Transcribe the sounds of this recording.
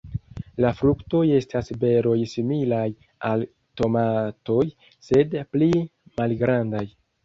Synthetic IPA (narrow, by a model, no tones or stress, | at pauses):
lafɾukto̞je̞stasbe̞ɾo̞jsimilaj | al | to̞mato̞j | se̞dplimalɡɾandaj